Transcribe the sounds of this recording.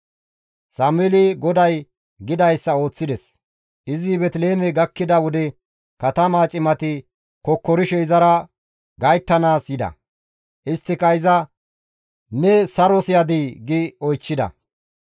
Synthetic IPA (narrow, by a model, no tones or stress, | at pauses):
saːmʊɛlɪɡɔd̪ɐj | ɡɪd̪ɐjsːɐo̞ːt͡sːɪd̪ɛs | ʔɪzɪbɛt̪le̞ːmɛɡɐkːɪd̪ɐwɔd̪ɛ | kɐt̪ɐmaːt͡ʃʼɪmɐt̪ɪ | kɔkːɔɾɪʃɛɪzɐɾɐ | ɡɐjt̪ːɐnaːsjɪd̪ɐ̰ | ʔɪst̪ːɪkɐjzɐ | nɛsɐɾɔsɪjad̪iːɡɪɔjt͡ʃːɪd̪ɐ̰